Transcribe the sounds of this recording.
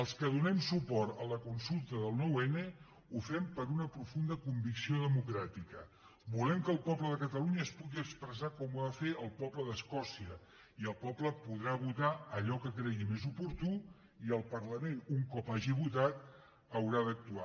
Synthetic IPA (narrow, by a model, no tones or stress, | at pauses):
əlˠskəðunɛmsupɔɾt̪ələkunsulˠt̪əðəlˠnɔwɛne | ufɛmpəɾunəpɾufund̪əkumbiksioðəmukɾat̪ikə | bulɛmkəːlˠpɔpləðəkət̪əluɲəːspuɣiəkspɾəzakɔmuaðəfeʔəlˠpɔpləðəskɔsiə | iəlˠpɔpləpuðɾaβut̪aəʎɔkəkɾɛɣimezupuɾt̪u | iəlˠpəɾləmenuŋkɔpaʒiβut̪at̪̚ | əwɾaðək̚t̪ua